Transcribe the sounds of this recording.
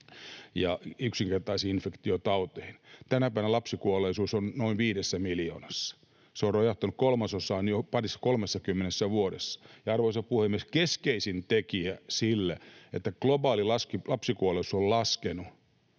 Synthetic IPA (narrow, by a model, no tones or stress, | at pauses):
jɑyksiŋkert̪ɑisiːinfekt̪iot̪ɑut̪ehint̪ænæpæiʋænælɑpsikuolˑeisuːsonnoiʋiːdesːæmiljo̰ːnɑsːɑ̥ | seorrojɑht̪ːɑnukkolmɑsosɑːnopɑrisːɑ̥kolmesːɑkymːenesːæʋuoɾesːɑ̥jɑɑrʋoisɑpuhemːieskeskeisint̪ekiæsilːæ̰ḛt̪ːæklobɑːlilɑskilɑpsikuoleisu̥sollɑskenu